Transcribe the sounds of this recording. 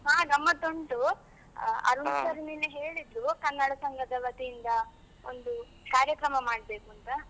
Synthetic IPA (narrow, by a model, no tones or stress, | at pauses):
ɦaːɡɐmːɐt̪oɳʈu | ɐ̰ɾunsɐɾininːeɦe̞ːɭid̪ɾukɐnːɐɽɐsɐŋɡʱɐd̪ɐʋɐt̪ijind̪ɐ | ond̪u | kaːɾjɐkɾɐmɐmaːɽ̚be̞ːkuɐnt̪ɐ